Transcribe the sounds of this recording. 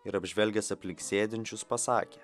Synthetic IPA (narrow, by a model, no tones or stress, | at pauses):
ɪɾɐbʲʒʲʋʲɛlʲɡʲɛsɐpʲlʲɪŋksʲeːd̪ʲɪnʲt͡ʃʲʊspɐsɑ̰ːkʲeː